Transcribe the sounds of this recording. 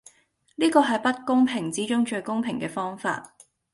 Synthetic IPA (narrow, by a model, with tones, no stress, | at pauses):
liː˥kɔː˧ɦɐ˨jpɐ˥t̚kʊ˥ŋpʰɪ˨˩ŋt͡siː˨˥t͡ʃʊ˥ŋt͡ʃɵ˧ɥkʊ˥ŋpʰɪ˨˩ŋkɛː˧fɔː˥ŋfa̰ː˧t̚